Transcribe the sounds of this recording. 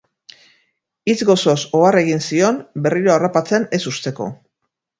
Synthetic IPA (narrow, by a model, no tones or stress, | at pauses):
it͡sɣo̞so̞so̞are̞ɣ̞insio̞nbe̞riɾo̞arapat͡se̞ne̞sust̪e̞ko̞̰